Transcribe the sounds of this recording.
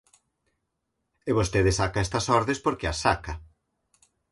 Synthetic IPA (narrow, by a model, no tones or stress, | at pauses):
eβost̪eðɪsakɐɛst̪ɐsɔɾðespoɾkeɐsakɐ